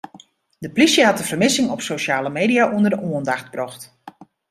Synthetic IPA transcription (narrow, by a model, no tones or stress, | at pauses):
dəplisjəɦɑtəv̥ərmɪsɪŋɔpsoʃaːləmeːdijaʔundərdəʔoəndaxt̚brɔxt